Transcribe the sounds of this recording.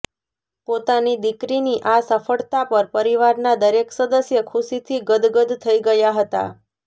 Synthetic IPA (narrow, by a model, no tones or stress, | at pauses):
pot̪anid̪ikɾiniʔasəfəɭt̪apəɾpəɾiʋaɾnad̪əɾeksəd̪əsjəkʰuʃit̪ʰiɡəd̪ɡəd̪t̪ʰːəiɡəjaɦət̪a̰